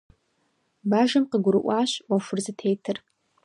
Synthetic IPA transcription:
baːʒɐmqəɡʷʊɾɨʔʷɑːɕwɐʂʷʊrzɨtʰejtʰɨr

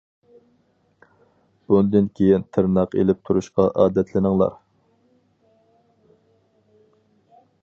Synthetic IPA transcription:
b̥und̪ɨnkʲʰejint̪ʰɨɾnɑqḛlɪp̚t̪ʰuɾuʃqɑʔɑːd̪ɛt̪ʰlɪnɪŋlˠɑ̰ɾ

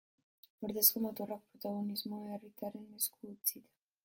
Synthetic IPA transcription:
oɾðeskomot̪orakpɾot̪aɣo̞nizmoerit̪aɾe̞nːeskuːt͡sit̪ḁ

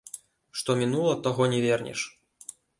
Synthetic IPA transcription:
ʂt̪ɔmʲinulˠɐt̪aɣɔnʲɛvʲɛrnʲɛ̰ʂ

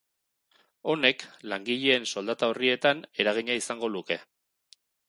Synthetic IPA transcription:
o̞ne̞klaŋɡiʎe̞ːnso̞ld̪at̪aorie̞t̪ane̞ɾaɣ̞iɲaisaŋɡo̞luke̞

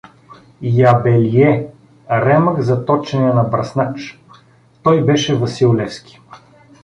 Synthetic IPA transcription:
jabɛliɛ | ɾɛməkzɐt̪ɔt͡ʃɛnɛnɐbɾɐsnat͡ʃ | t̪ɔjbɛʃɛvɐsilˠlɛfskʲi̥

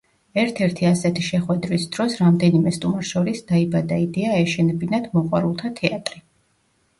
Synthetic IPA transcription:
ɛɾt̪ʰɛɾt̪ʰiasɛt̪ʰiʃɛχwɛd̪ɾwisd̪̥ɾɔsɾamd̪ɛnimɛst̪ʼumaɾʃɔɾisd̪aibad̪aid̪ɛaɛʃɛnɛbinad̪̥mɔqʼwa̰ɾulˠt̪ʰat̪ʰɛat̪ʼɾi

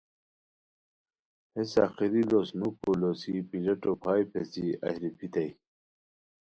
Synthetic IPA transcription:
hesɑ̰ːxiɾilosnukolosipilɐʈopʰɑːjpʰesiɐ̰ɕɾipʰit̪aj

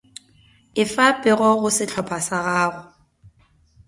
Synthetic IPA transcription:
ɪfapʼɪɣɔɣʊsɪt͡ɬʰɔpʰasaɣaːɣʊ

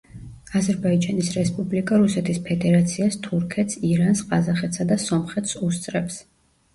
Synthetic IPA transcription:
azɛɾbaid͡ʒanisɾɛspʼublikʼaɾusɛt̪ʰispʰɛd̪ɛɾat̪sʰiast̪ʰuɾkʰɛt̪siɾansqʼazaχɛt̪ʰsad̪asɔmχɛt̪ʰsust̪sʼɾɛps

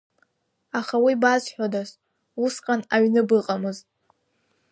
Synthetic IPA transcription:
aχawibazħʷᶣodas | usqʼanaɥnɨbɨqʼamɨz

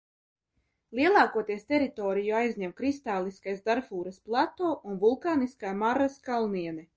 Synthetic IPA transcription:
lˠiɛlˠɑːkuɔt̪iɛst̪ɛɾit̪ɔːɾijuajzʲɲɛmkɾist̪aːlˠiskajzd̪aɾfuːɾɐsplˠat̪oːʔunvulˠkaːniskaːmaɾaskalˠniɛnɛ

